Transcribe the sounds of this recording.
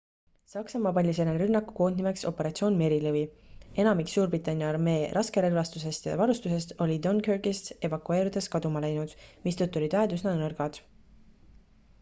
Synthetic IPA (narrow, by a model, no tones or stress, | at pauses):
sɑksɑmɑpɑlʲːiselenrɾynːɑkːˑu̥ko̞ːnnime̞kso̞pːe̞ɾɑt̪sio̞ːnme̞ɾilɯvie̞nɑmiksuːrbrit̪ːˑɑnʲjɑɑrme̞ːɾʔɑske̞ɾelvɑst̪use̞st̪jɑ̰vɑɾust̪use̞st̪o̞lʲid̪o̞nkørɡist̪e̞vɑkue̞ːɾid̪̥e̞skɑd̪umɑlæjnud̪̥mist̪ɤt̪ːˑulʲid̪væed̪usnɑnɤrɡ̥ɑd̪̥